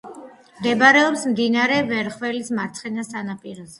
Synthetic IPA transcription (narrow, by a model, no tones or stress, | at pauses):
md̪ɛbɾɛɔpsmd̪inaɾɛvɛɾχvɛlismaɾt̪sʰχɛnasanapʼiɾɔzɛ